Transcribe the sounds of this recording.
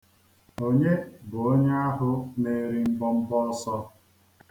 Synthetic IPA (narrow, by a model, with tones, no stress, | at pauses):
o˦ɲe˦bʊ˨o˦ɲ˦a˦ɦʊ˦ne˦ɾi˦m̩˦bɔ˦m̩˦bɔ˦sɔ˦